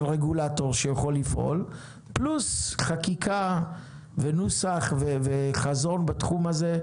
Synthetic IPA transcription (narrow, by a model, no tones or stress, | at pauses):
lʁeɡulato̞ʁʃejaχo̞lːifʔo̰l | plusχakikʰa | venusaχveveχazo̞nbatχumaze̞